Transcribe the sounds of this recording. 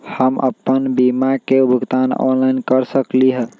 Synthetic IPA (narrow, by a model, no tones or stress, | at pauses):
həmə̰pːənbimakebʱuɡt̪anɔ̰nlainkəɾsəkliɦə